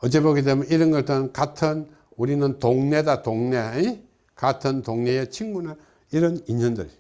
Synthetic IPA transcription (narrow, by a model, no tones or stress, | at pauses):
ʌd͡ʑe̞bʌɡidemjeiɾʌnɡʌɭtɯnɯnkatʰɯn | uɾinɯntoŋne̞datoŋne | katʰɯntoŋneet͡ɕʰinɡuna | iɾʌniɲʌndɯ̰ɾ